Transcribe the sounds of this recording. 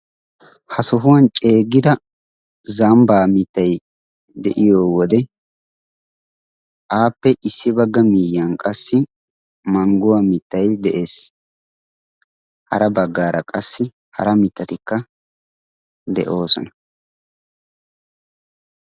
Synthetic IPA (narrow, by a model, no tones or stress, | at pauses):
hɐsʊɦʊwɐnt͡ʃʼe̞ːɡːɪd̪ɐ | zɐmbaːmɪt̪ːɐj | d̪ɛʔɪjoːwɔd̪ɛ | ʔaːpːɛʔɪsːɪbɐɡːɐmiːjːɐnkʼɐsːɪ | mɐŋɡʊwamɪt̪ːɐjd̪ɛʔe̞ːs | hɐ̰ɾɐbɐɡːaːɾɐkʼɐsːɪ | hɐ̰ɾɐmɪt̪ːɐt̪ɪkːɐ | d̪ɛ̰ʔo̞ːsɔnɐ̥